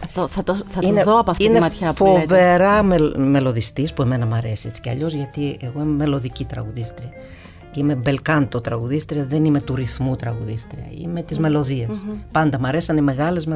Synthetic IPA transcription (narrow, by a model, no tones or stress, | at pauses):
t̪oθɐt̪oθɐt̪ineðoɐpoɐft̪inemɐt̪çɐfo̞ve̞ɾɐmeme̞lo̞ðist̪ispue̞me̞nɐmɐɾesie̞t͡si̥ceɐ̰ʎo̞zʝɐt̪ieɣo̞imeme̞lo̞ðicit̪ɾɐ̰ɣuðist̪ɾiɐ | ime̞be̞lkɐnt̪ot̪ɾɐɣuðist̪ɾiɐðe̞nime̞t̪uɾiθmut̪ɾɐɣuðist̪ɾiɐ̰ḭme̞t̪izme̞lo̞ðiespɐnd̪ɐmɐɾe̞siɐneme̞ɣɐle̞zme